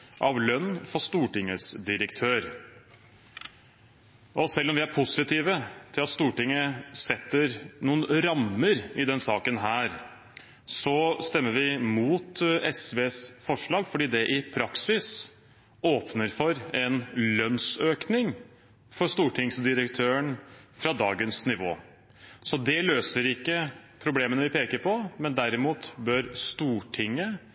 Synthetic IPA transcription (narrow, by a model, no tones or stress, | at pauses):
ʔɑʋlœnːfɔʂt̪uːʈɪŋːəsd̪ɪɾəkt̪ʰøːɾ | ʔɔsɛlːɔmʋɪæɾpʰʊsɪt̪ʰiːʋət̪ʰɪlɑt̪st̪uːʈɪŋːəsɛt̪ːəɾnuːənɾɑmːəɾɪd̪ɛnsɑːkənɦæːɾ | sɔst̪ɛmːəɾʋɪmuːt̪ɛsʋeːsfɔʂɭɑːɡfɔɖiːd̪ɛʔɪpʰɾɑksɪs | oːpnəɾfɔɾɛnlœnsøːknɪŋ | fɔɾʂt̪uːʈʰɪŋsd̪ɪɾəkt̪ʰøːəɳfɾɑd̪ɑːɡənsnɪʋo̰ː | sɔd̪ɛløːsəɾɪkːəpʰɾʊbleːmənəʋɪpʰeːkəɾpʰɔmɛnd̪æɾɪmuːt̪bœɾst̪uːʈʰɪŋːə